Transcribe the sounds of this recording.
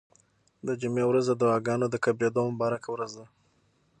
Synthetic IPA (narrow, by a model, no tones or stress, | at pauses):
d̪əd͡ʒʊmewɾazd̪əd̪ʊɑɡɑnod̪əkabjed̪omʊbɑɾakwɾazd̪a